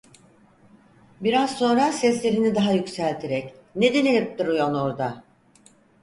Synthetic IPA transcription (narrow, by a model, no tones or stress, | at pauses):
biɾazso̞nɾasɛslʲe̞ɾinid̪aɦajycsælʲt̪ʰeɾɛcned̪enilʲip̚t̪iɾujonoɾd̪a